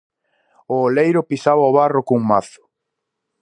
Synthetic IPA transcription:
oːlejɾʊpisaβaoβarokuŋmaθʊ̥

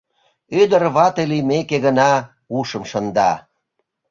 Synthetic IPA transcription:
yd̪ərβɑt̪elimekeɣənɑ | uʃə̆mʃənd̪ɑ

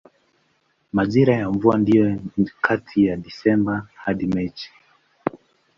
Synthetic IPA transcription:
maʄiɾajaɱvuandijɔkʰatʰijaɗisɛmbahaɗimɛt͡ʃi̥

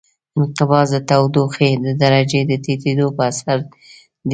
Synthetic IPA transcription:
ɪnqɪbɑzd̪ət̪awd̪oxed̪əd̪aɾad͡ʒed̪ət̪et̪ed̪opəasaɾ | d̪

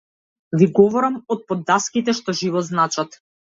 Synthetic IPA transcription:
viɡɔvɔɾamɔt̪̚pɔd̪ːaskit̪ɛʃt̪ɔʒivɔznat͡ʃat̪

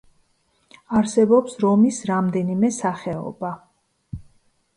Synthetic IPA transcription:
aɾsɛbɔpsɾɔmisɾamd̪ɛnimɛsaχɛɔ̰ba

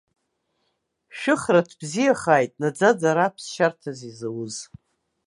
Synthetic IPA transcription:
ʃᶣɨχratʰb̥zijaχaːjtʼnad͡zad͡zaɾapʰsʃartʰazizawuz

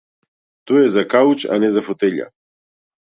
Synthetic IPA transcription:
t̪ojɛzakaut͡ʃa̰nɛzafot̪ɛʎa̰

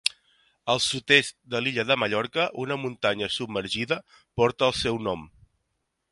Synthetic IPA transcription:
əlˠsut̪est̪d̪əliʎəðəməʎɔɾkəʔunəmunt̪aɲəsubməɾʒiðə | pɔɾt̪əːlˠsɛwnɔm

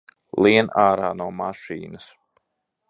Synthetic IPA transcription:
lˠiɛnaːɾaːnuɔmaʃḭːnɐs

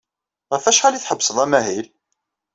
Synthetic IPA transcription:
ʁæfæʃʁæliθħəbːsəðˤæmæɦil

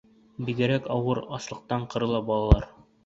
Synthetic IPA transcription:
biɡɘ̆ɾækɒwɤɾɒslˠɤ̆q̚t̪ɑɴqɤ̆ɾɤ̆lˠɑbɒlˠɑlˠɑɾ

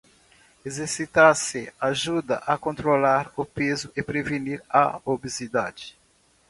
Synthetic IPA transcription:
ezeɾsit̪asɪaʒud̪ɐ̰ʔɐkõnt̪ɾolaɾʊpezʊɪpɾeveniɾɐobezid̪ad͡ʒɪ̥

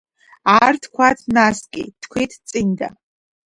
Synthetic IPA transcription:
artʰkʷʰatʰnaskʲʼɪ̰tʰkʷʰejtʰʼt͡sʼɨnʲda̰

